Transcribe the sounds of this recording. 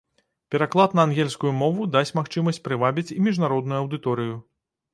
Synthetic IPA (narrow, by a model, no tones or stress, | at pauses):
pʲɛɾaklˠat̪nɐːnɣʲɛlʲskujumɔvud̪asʲt͡sʲmaxt͡ʂɨmɐsʲt͡sʲpɾɨvabʲit͡sʲimʲiʐnaɾɔd̪̚nujuɐwd̪ɨt̪ɔɾɨju